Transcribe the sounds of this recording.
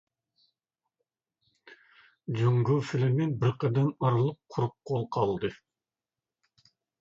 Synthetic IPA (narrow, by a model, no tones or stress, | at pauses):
d͡ʒuŋɡufɪlɪmenbɪɾqəd̪ɑnɑɾlˠəq̚qʰʊɾup̚qʰːolˠqʰɑlˠd̪ɨ